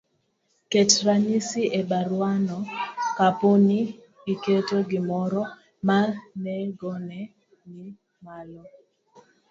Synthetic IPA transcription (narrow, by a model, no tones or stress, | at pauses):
ketɾaɲisiebaɾwanɔkaponi | ɡiketoɡɪmɔɾɔ | manɛɡɔnɛ | ni | malɔ